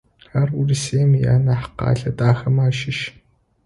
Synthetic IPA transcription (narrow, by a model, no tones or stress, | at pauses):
ħaruriseːmija̰ːnɐħqɑ̰ːɮɐtʼaːxɐmaːʃɪʃ